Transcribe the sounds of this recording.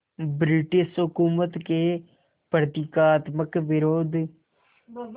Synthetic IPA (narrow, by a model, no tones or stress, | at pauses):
bɾɪʈɪʃɦʊkuːmət̪keː | pɾət̪ɪkaːt̪məkʋɪɾoːd̪